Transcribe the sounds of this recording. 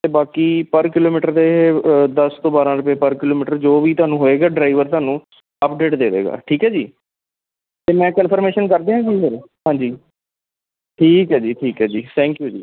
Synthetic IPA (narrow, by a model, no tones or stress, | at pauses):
t̪eːbaːkiːpəɾkɪloːmiːʈəɾd̪eɦed̪əst̪õːbaːɾãːɾʊpeːpəɾkɪloːmiːʈəɾd͡ʒoːʋiːt̪ʊaːnũːɦoːeːɡaːɖɾaːɪʋəɾt̪oaːnũː | əpɖeːʈd̪eːʋḛːɡa̰ːʈʰiːkɦɛːd͡ʒiː | t̪eːmɛ̃ːkənpʰəɾmeːʃənkəɾd̪eːɦãːd͡ʒiːsəɾɦãːɲd͡ʒiː | ʈʰiːkɦɛːd͡ʒiːʈʰiːkɦɛːd͡ʒiːt̪ʰɛ̃ːŋkjuːd͡ʒḭː